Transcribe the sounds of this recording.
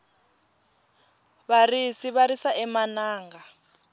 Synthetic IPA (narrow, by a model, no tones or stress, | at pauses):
βarisiβaɾisaʔɛmanaːŋɡa